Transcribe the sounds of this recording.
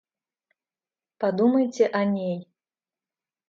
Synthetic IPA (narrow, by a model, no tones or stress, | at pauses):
pad̪umɐjt͡sʲɛʔanʲej